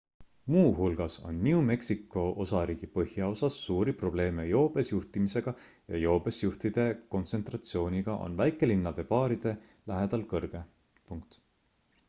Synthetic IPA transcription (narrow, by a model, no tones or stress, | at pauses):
muːɦulɡ̥ɑso̞̰nːʲiume̞ksikːˑo̞ʔo̞sɑɾiːɡ̥ipɤhjɑo̞sɑsːuːɾipro̞b̥le̞ːmejo̞ːb̥e̞sjuht̪imise̞ɡ̥ɑ | jɑ̰jo̞ːb̥e̞sjuht̪id̪̥e̞ko̞nt̪se̞nt̪rɑt̪sio̞ːnʲiɡ̥ɑʔo̞̰nvæjkːˑe̞linːɑd̪̥e̞pɑːɾid̪̥e̞læɦe̞d̪̥ɑlkɤrɡ̥e̞ | puŋkt̪